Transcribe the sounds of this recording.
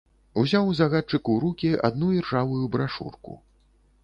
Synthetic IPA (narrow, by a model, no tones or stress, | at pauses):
uzʲawzaɣat͡ʂɨkuɾukʲia̰d̪nuirʐavujubɾaʂṵrkṵ